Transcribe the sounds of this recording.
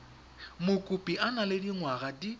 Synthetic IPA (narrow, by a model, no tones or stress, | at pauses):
mʊkʼupʼiʔanalɪdiŋwaɣadi